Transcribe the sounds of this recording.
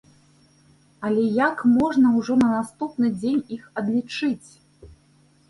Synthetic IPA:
ɐlʲɛjakmɔʐnɐwʐɔnɐnast̪upnɨd͡zʲenʲixɐd̪lʲit͡ʂɨt͡sʲ

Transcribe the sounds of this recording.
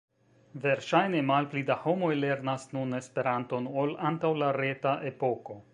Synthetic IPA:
ve̞ɾʃajne̞malplidaho̞mo̞jle̞ɾnasnune̞spe̞ɾanto̞nolantawlaɾetaʔe̞po̞ko̞

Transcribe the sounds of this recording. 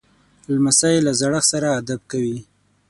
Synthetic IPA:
lmasajelazaɽəxsaɾaːd̪ab̚kawi

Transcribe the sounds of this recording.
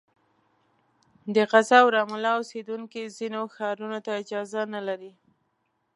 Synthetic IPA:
d̪əqazɑwɾɑmalɑosed̪uŋkizinoxɑɾunot̪aɪd͡ʒɑzanalaɾi

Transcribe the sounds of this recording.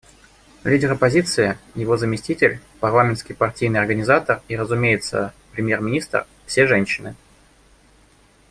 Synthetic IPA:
lʲidʲɪɾɐpɐzʲit̪sɨjəjɪvo̞zəmʲɪsʲtʲitʲɪlʲpɐrlˠamʲɪnt̪skʲɪjpɐrtʲijnɨjɐrɡənʲɪzat̪əriɾəzʊmʲejɪt̪sə̰pɾʲɪmʲjermʲɪnʲist̪r | fsʲeʐɛnʲɕːɪnɨ

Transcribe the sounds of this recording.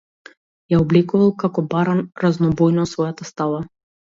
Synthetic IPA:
jaɔblɛkuvalˠkakɔbaɾanɾaznɔbɔjnɔsvɔjat̪ast̪alˠa

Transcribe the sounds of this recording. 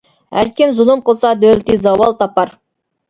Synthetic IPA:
æ̰ɾkʲɪnzʊlˠəmqəlˠsɑd̪ɵlt̪izɑwɑlˠt̪ʰɑpɑɾ

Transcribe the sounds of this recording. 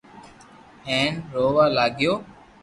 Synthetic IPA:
ɦẽːnɾoːʋaːlaːɡjoː

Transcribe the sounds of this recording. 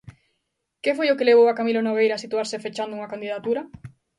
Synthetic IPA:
kefojʊkeleβ̞owakamilonoβ̞ejɾasit̪uaɾsɪfet͡ʃand̪ʊuŋɐkand̪iðat̪uɾɐ

